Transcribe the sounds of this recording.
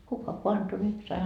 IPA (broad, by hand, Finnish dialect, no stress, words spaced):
kukɑ ko ɑnto nʲi sɑi